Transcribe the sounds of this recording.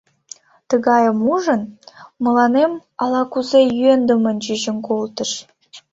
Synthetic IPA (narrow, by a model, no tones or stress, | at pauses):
t̪əɣɑjəmuʒənmə̆lɑnemɑlˠɑkuzejyend̪ə̆mənd͡ʒyʒə̆nkolˠt̪ə̆ʃ